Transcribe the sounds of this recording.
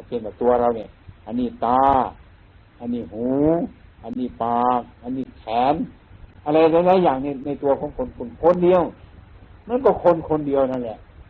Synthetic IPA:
pe˧˨nka˨˩t̪u˧ɐɾa˧wni˧˩ʔa˧˨nːiː˧˩t̪aː˧ | ʔa˧˩nːiː˧˩huː˨˧˦ʔa˧˨nːiː˧˩paː˨˧k̚ʔa˧˨niː˧˩t̪ʰɛː˨˦n | ʔa˧la˧jlaː˧˥jlaː˧˥˨jaː˨˩ŋni˧˩na˧jt̪u˧ɐ˧kʰɔː˧˦ŋkʰo˧nkʰo˧˨nkʰo˧˨ndi˧ə˧w | ma˧˥˨nkɔː˧˩kʰo˧˨nkʰo˧ndi˧ə˧wna˧˨n˨lɛ˧ʔ

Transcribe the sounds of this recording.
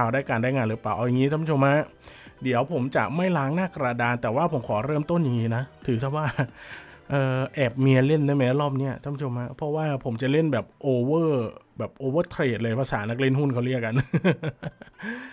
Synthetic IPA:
aː˨˩daː˥˩jkaː˧ndaː˥˩jŋaː˧lʔɯː˩˦paː˧˩wʔa˧wja˨˧ŋiː˦t̪ʰa˥˩mʰ˦˥o˧mha˦˥ʔ | di˩˦əwpʰo˩˦mt͡ɕa̰˨˩ʔma˥˩jlaː˦˥ŋnaː˥˩kɾaː˧daː˧nt̪ɛː˨˩waː˥˩pʰo˨˩˦mkʰɔː˩˦ɾɤː˥˩mt̪o˥˩nja˨˩ŋiː˦˥na˦˥t̪ʰɯː˩˦t̪ʰa˧˥˩waː˥˩ | ʔɤː˧ʔɛː˨˩p̚mi˧ɐle˥˩nːɯ˦˥˩jma˦˥ja˦˥lɔː˥˩p̚ni˦˥ɐʔ̪ʰmʰ˦˥t͡ɕʰo˧mha˦˥pʰɔ˦˥waː˥˩pʰo˩˦mt͡ɕa˨˩le˥˩nbɛː˨˩p̚ʔoː˧wɤː˥˩bɛː˨˩p̚ʔoː˧wɤː˥˩t̪ʰɾeː˨˩t̪̚lɤː˧jpʰa˧sa̰ː˩˦na˦˥k̬̚li˥˩ə˨nɦu˥˩nkʰa˥˩wɾi˥˩ək̚a˧n

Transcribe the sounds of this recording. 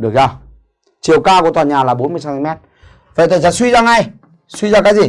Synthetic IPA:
ɗɨ˨˩ək̚zaː˧˩ | t͡ɕi˨˩əwkaː˧ku˧˩ət̪waː˨˩ɲaː˨˩laː˨˩ɓo˨˦nmɨ˧əsa˨˦t̪i˧mɛ˦˥t̚ | və̰˧˨t̪a˨˩t͡ɕaː˧˩swi˧zaː˧ŋa˧j | swi˧zaː˧kaː˨˦jzi˨˩

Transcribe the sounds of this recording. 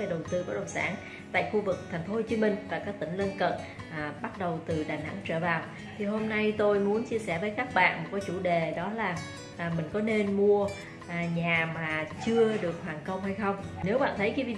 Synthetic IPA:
e˧˩ɗə˨˩wt̪ɨ˧kɔ˨˩˦ɗo̰˧˨˩sa̰ː˧˩n | t̪a̰ː˧˨jxu˧vɨ˨˩k̚t̪ʰa˨˩jŋ̟fo˦ho˧wt͡ɕi˨˦mï˧ŋ̟vaː˨˩kaː˦˥k̚t̪ï˧˩ŋ̟lə˧nkə̰˧˨n˨˩ | ɓa˦˥t̚ɗə˨˩wt̪ɨ˨˩ɗaː˨˩na̰˧˥ŋt͡ɕəː˧˩vaː˨˩w | t̪ʰi˨˩ɦo˧mna˧jt̪o˧jmu˨˦ənt͡ɕi˧əsɛ˧˩vəː˨˦jkaː˦˥k̚ɓa̰ː˧˨nmo˨˩t̚kaː˨˦jt͡ɕu˧˩ɗe˨˩ɗɔ˨˦laː˨˩˨ | mï˨˩ŋ̟kɔ˨˦ne˧nmu˧ə˨˩ | ɲaː˨˩maː˨˩t͡ɕɨ˧əɗɨ˨˩ək̚hwaː˨˩nkə˧wŋ͡mha˧jxə˧wŋ͡mne˨˦wɓa̰ː˧˨nt̪ʰə˨˦jkaː˨˦jvi˨˧

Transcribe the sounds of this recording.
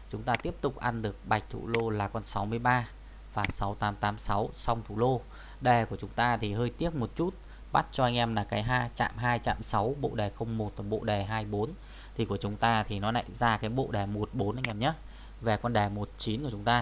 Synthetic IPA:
t͡ɕʊ˨˦ŋ͡mt̪aː˧t̪i˦˥əp̚t̪ʊ˨˩k͡p̚ʔa˧nɗɨ˨˩ək̚ɓa˨˩jk̟̚t̪ʰṵ˧˩lo˧laː˨˩kɔ˧nsa˨˦wmɨ˧əjɓaː˧ | vaː˨˩sa˨˦wt̪aː˨˦mt̪aː˨˦msa˨˦wsa˧wŋ͡mt̪ʰu˧˩lo˧ | ɗɛ˨˩ku˧˩ət͡ɕʊ˨˦ŋ͡mt̪aː˧t̪ʰi˨˩ɦəː˧jt̪i˦˥ək̚mo˨˩t̚t͡ɕu˦˥t̚ | ɓa˦˥t̚t͡ɕɔ˧ʔa˧jŋ̟ʔɛ˧mlaː˨˩kaː˨˦jɦaː˧jt͡ɕa̰ː˧˨mɦaː˧jt͡ɕa̰ː˧˨msa˨˦wɓo̰˧˨ɗɛ˨˩xə˧wŋ͡mmo˨˩t̚ɔː˨˩ɓo̰˧˨ɗɛ˨˩ɦaː˧jɓo˨˦n | t̪ʰi˨˩ku˧˩ət͡ɕʊ˨˦ŋ͡mt̪aː˧t̪ʰi˨˩nɔ˨˦na̰˧˨jzaː˧kaː˨˦jɓo̰˧˨ɗɛ˨˩mo˨˩t̚ɓo˨˦nʔa˧ŋʔɛ˧mɲə˦˥t̚ | ve˨˩kɔ˧nɗɛ˨˩mo˨˩t̚t͡ɕi˨˦nku˧˩ət͡ɕʊ˨˦ŋ͡mt̪aː˧

